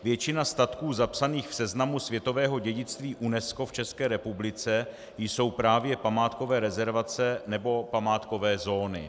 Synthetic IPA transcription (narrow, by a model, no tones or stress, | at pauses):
vjɛt͡ʃɪnast̪at̪kuːzapsaniːxfsɛznamusvjɛt̪o̞vɛːɦo̞ɟɛɟɪt͡st̪viːʔunɛsko̞ft͡ʃɛskɛːɾɛpublɪt͡sɛ | jso̞wpɾaːvjɛpamaːt̪ko̞vɛːɾɛzɛɾvat͡sɛnɛbo̞pamaːt̪ko̞vɛːzo̞ːnɪ̰